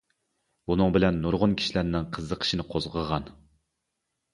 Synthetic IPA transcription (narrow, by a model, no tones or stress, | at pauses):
unɨŋbɪlɛnːuɾʁʊnkʲʰi̥ʃilæɾnɪŋqʰəzːəqʰə̥ʃinɪqʰozʁəʁɑn